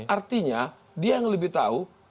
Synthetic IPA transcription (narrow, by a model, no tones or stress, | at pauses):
art̪iɲa | diajaŋləbɪht̪au